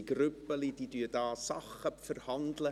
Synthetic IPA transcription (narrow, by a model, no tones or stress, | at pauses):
ɡrʉpəlididyədɑːsɑχəpfərhɑndlə